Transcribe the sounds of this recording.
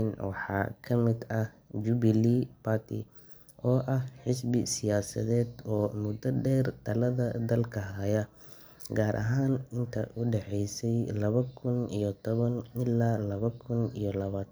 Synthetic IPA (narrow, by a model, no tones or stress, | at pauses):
nwɑ̰ħɑ̰ːkʰɐmɪd̪ɐd͡ʒʊβɪliːbat̪ʰḭ | ʔɔːʔɐhħɪsbɪsɪjaːsɐ̰ðɛːd̪ɔːmʊd̪ɐɖɛːrt̪ʰɐlɐðɐd̪ɐlkʰɐɦɐjɐ | ɡaːɾʔɐ̰ɦaːnɪnt̪ʰɐ̰ʔʊɖɛħɛjsɛjlɐβɐkʰʊnḭjɔt̪ʰɔβɐnɪlːaːlɐβɐkʰʊnḭjɔlɐβaːt̪ʰ